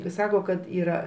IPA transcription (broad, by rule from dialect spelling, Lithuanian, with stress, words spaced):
ɪ ˈsɑːkoː kɐt iːˈrɐ